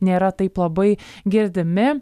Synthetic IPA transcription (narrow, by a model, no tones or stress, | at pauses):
nʲeːɾɐt̪ɐɪplˠɐbɐɪɡʲɪɾd̪ʲɪmɪ